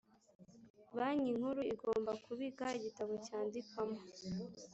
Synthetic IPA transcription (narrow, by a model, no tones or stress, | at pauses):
βaɲiŋhuɾuiɡo̞ːmbakuβiɡaiɟitaβocaːndikamo